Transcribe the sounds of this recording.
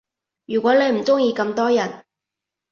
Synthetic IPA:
jyː˨˩kwʷɔː˨˥ne˨˧jm̩˨˩t͡sʊ˥ŋjiː˧kɐ˧mt̪ɔː˥jɐ˨˩n

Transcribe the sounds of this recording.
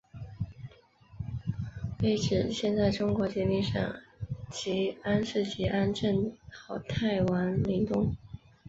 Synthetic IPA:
pe˧˥ɪʈ͡ʂɻ̩˨˩ɕjɛ˥˧nt͡sa˥˩ɪʈ͡ʂʊ˥ŋkwɔ˧˥t͡ɕɛ˧˥mi˥˧ʂɑ̰˥˩ŋt͡ɕi˧˥a˥nʂɻ̩˥˩t͡ɕi˧˥ʔa˥nʈ͡ʂə˥˩nɑ˨˩ʊt̪ʰa˥˩ɪwa˧˥nli˧˥ŋt̪ʊ˥ŋ

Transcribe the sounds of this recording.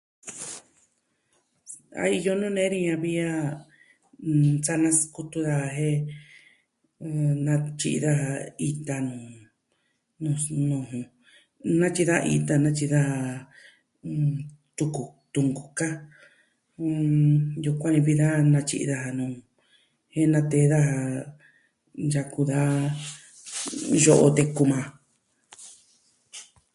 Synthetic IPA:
a̰˧i˧jo˦nũ˦nẽ˦ɾĩ˧ɲã˧βi˦a˦ | t͡sa˦nã˧˦sku˧t̪u˧ða˧a˧ɦe˦˨ | nã˧t͡ʃḭ˧ʔḭ˧ða˦ɦa˧i˧t̪a˧nũ˨ | nũ˧˨nũ˧ɦũ˧ | nã˦t͡ʃi˧ða˦˧ḭ˧t̪a˧nã˦t͡ʃi˧ða˦ha˧ | t̪u˧ku˨t̪u˧ŋɡu˨ka˦˧ | ju˧kʷa˦nĩ˧βi˦ða˦nã˧t͡ʃḭ˧ʔi˧ða˧ɦa˧nũː˨ | he˦nã˧t̪e˧˦˧ða˦ha˧ | ja˧ku˧ða˦ | ʒo˦ʔo̰˧t̪e˧ku˧mã˧

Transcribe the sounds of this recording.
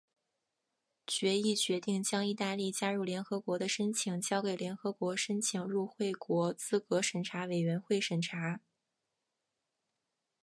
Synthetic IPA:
t͡ɕɥɛ˧˥i˥˩t͡ɕɥɛ˧˥t̪i˥˩ŋt͡ɕjɑ˥ŋi˥˧t̪a˥˧li˥˩t͡ɕja˥ɻu˥˩ljɛ˧˥nxɤ˧˥kwɔ˧˥d̪ə˧ʂə˥nt͡ɕʰi˧˩˦ŋt͡ɕjɑ˥ʊke˨˩ɪljɛ˧˥nxɤ˧˥kwɔ˧˥ʂə˥nt͡ɕʰi˨˩ŋɻu˥˧xwe˥˩ɪkwɔ˧˥t͡sɹ̩˥kɤ˧˥ʂə˨˩nʈ͡ʂʰa˧˥we˨˩ɪɥɛ˧˥nxwe˥˩ɪʂə˨˩nʈ͡ʂʰa˧˥

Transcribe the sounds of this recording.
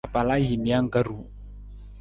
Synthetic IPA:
a˨pa˨la˦ji˨mi˨a˦ŋ˦ka˦ɾu˨

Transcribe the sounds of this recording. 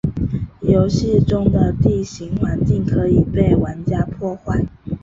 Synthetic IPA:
jo˧˥ʊɕi˥˧ʈ͡ʂʊ˥˩ŋd̪ə˨t̪i˥˩ɕi˧˥ŋwa˨˧˥nt͡ɕi˥˩ŋkʰɤ˧˦˥i˨˩pe˥˩ɪwa˧˥nt͡ɕja˥pʰwɔ˥˧xwa˥˩ɪ

